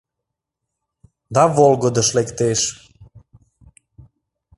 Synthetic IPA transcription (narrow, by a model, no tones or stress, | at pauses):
d̪ɑβolɣod̪əʃlekt̪eʃ